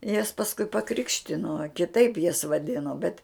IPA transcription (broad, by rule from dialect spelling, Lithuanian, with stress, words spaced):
jɛs pɐsˈkʊɪ pɐˈkrʲɪkʃʲtʲɪnoː kʲɪˈtɐɪp jɛs ʋɐˈdʲɪnoː bʲɛt